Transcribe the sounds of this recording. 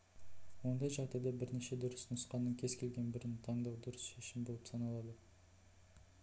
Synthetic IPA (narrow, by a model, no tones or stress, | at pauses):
wo̞nd̪ɑjʒɑʁd̪ɑjd̪ɑbɪɾne̞ʃe̞d̪ʊɾəsnʊsqɑnːəŋkʲʰe̞zkʲʰe̞lɡʲe̞nbɪɾɪnt̪ʰɑɴd̪ɑwd̪ʊɾəsʃe̞ʃɪmbo̞lˠəpsɑnɑlˠɑd̪ə